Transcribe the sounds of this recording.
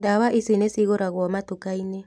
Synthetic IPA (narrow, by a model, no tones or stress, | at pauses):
daβaʔisinesiɣoɾaɣwɔmatukaine